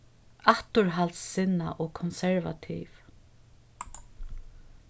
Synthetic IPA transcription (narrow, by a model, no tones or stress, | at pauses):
aht̪ʊɹɦalsːɪna̰ʔɔkʰɔnsɛɹva̰t̪ʰḭːv